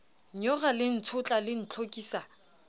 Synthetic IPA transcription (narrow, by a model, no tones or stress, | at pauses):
ɲɔɣalɪn̩t͡sʰʊt͡ɬʼalɪn̩t͡ɬʰokʼiːsa